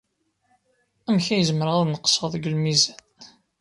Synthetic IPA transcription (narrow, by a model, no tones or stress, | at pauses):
æmçæjəzməɾʁaðnəqsˤəðˤəɡəlmizæn